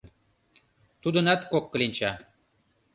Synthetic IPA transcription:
t̪ud̪ɤ̆næt̪kokːɤ̆linʲt͡ɕɑ

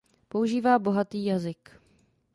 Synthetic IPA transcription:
pouʒiːvaːbo̞ɦat̪iːjazɪk

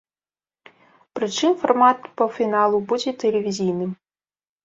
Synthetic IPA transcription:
pɾɨt͡ʂɨmfɐrmat̪pɐfʲinalˠubud͡zʲɛt̪ɛlʲevʲizʲijnɨm

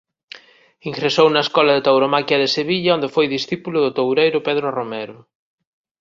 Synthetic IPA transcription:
iŋɡɾesownɐeskɔlɐðet̪awɾomakjɐðeseβiʎɐond̪efojðisθipulʊðʊt̪owɾejɾʊpeðɾoromɛɾʊ

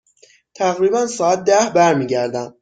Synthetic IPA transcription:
t̪ʰæɣɾiːbænsɒːæt̪̚d̪æhbæɾmiːɟæɾd̪æm

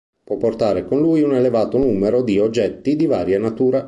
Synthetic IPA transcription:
pwɔpːort̪aːɾekonluːjunelevaːt̪onuːmeɾod̪iod͡ʒːɛt̪ːid̪ivaːɾjanat̪uːɾa

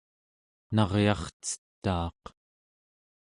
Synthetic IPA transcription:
nɑʁjɑχt͡sə̥t̪ːɑːq

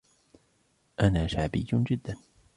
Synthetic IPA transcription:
ʔanaːʃaʕbḭjːʊnd͡ʒɪd̪ːan

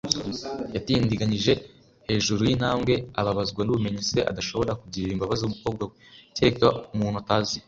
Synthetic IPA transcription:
jatindiɡaniʒe̞ | he̞ːʒuɾujin̥haːmɡe̞aβaβazɡwanuβume̞ɲise̞ʔa̰daʃo̞βo̞ɾakuɟiɾiɾimbaβaziumuko̞ːb̚ɡwaweceekɾwaumuːn̥uataːzi

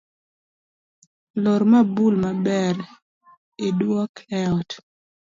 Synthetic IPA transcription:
loɾmabulmabɛr | edwɔklɛɔt

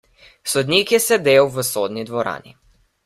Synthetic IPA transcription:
sɔd̪niːkjɛsɛd̪eːwʋəsoːd̪nid̪ʋɔɾa̰ːnḭ

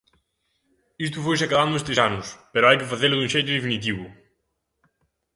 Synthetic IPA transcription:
ist̪ʊfojs̬akaðand̪ʊest̪esanʊspeɾʊajkɪfaθelʊðũʃejt̪ʊðefinit̪̬iβʊ

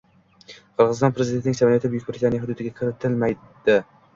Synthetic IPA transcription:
qʰɨɾʁɨzɪst̪ɒnpʰɾezɪd̪et̪nɪŋsamnjat̪ʰɪbjʊk̚ʲbɪɾɪt̪ʰanijɦʊd̪ʊd̪ɪɡʲakʲʰɪɾɪt̪ʰɪlmaj | d̪̥ɪ

